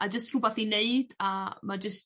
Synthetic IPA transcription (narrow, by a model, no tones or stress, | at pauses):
ad͡ʒəstʰubaθineɨd̥amad͡ʒəst